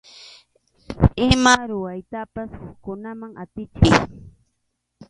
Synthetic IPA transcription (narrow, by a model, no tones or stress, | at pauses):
ɪmaɾʊwajt̪apashʊχkʊnamaŋat̪ɪt͡ʃɪj